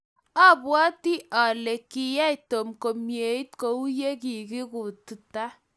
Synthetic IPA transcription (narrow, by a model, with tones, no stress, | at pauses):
a˦pwɔ˦ti˦ʔa˨le˨ki˨ja˦i˨to˨mko˨mje˨i˦tko˦u˦je˦ki˨ki˦ku˨tu˨ta˦